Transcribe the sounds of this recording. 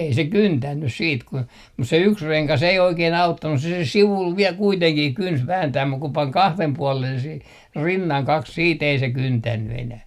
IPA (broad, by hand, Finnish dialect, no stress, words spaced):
ei se kyntænːys siːt kun mus se yks reŋkɑs ei oikeːn ɑutːɑnːus se se siʋul ʋiɛl kuiteŋkih kyns ʋæːntæːm muk ku pɑŋ kɑhlem puɔlen sih rinːɑŋ kɑks siːt ei se kyntænːy enæh